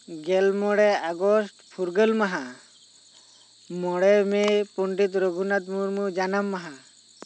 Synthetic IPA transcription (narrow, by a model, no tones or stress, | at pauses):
ɡɛlmɔɽɛaɡɔsʈpʰuɾɡəlmaɦa | mɔɽɛmɛpuɳɖit̪ɾoɡʱunat̪̚muɾmud͡ʒanamːaɦa